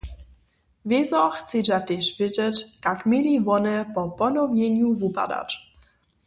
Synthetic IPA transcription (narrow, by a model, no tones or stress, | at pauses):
vjezɔxt͡sed͡ʑat̪ɛʃvɪd͡ʑɛt͡ɕt̪akmʲɛlivɔnɛpɔpɔnɔvjɛɲuvupa̰d̪a̰t͡ʃ